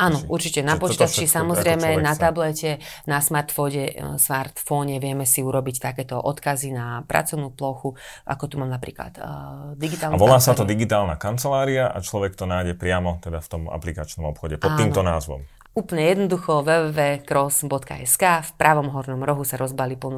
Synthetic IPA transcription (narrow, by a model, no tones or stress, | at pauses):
anɔuɾt͡ʃicɛnapɔt͡ʃiːt̪at͡ʃisamɔzɾɛjmɛnat̪ablɛcɛnasmaɾt̪fɔɲɛsmaɾt̪fɔɲɛʋɪɛmɛsiuɾɔbict̪akɛːt̪ɔʔɔt̪kazinapɾa̰t͡sɔʊnuːplɔxuʔa̰kɔt̪umaːmnapɾḭːkla̰d̪d̪iɡit̪aːlnaʋɔlaːsat̪ɔd̪iɡit̪aːlˠnakant͡sɛlaːɾiaʔa̰t͡ʃlɔʋɛkt̪ɔnajɟɛpɾɪamɔt̪ɛd̪aft̪ɔma̰plikat͡ʃnɔmɔpxɔɟɛpɔttːinːmt̪ɔnaːzʋɔ̰m | uːpl̩ɲɛjɛd̪nɔd̪uxɔʋɛʋɛʋɛːkɾɔsbɔt̪ka̰ʔɛskaːfpɾʔaʋɔmɦɔɾnɔmɾɔɦusaɾɔzbalipl̩nu